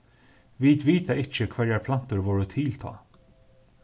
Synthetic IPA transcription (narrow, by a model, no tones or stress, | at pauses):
vɪd̪ʋiːt̪aɪt͡ʃəkʰvɛɾapʰlan̥t̪əɹvɔːɹət̪ʰɪlt̪ʰɑ̰ː